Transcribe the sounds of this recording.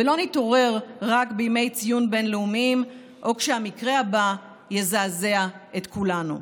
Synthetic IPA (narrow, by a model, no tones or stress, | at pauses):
velo̞nito̞ʁe̞ʁʁakbejme̞jt͡sijunbe̞nleumim | ʔo̞kʃehamikʁe̞aba | jezaːze̞aet̪kulanṵ